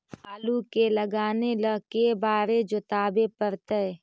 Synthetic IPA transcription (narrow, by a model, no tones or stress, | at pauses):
aːlukeləɡaːnelɐkebaːɾed͡ʒʊt̪aːbepəɾt̪ə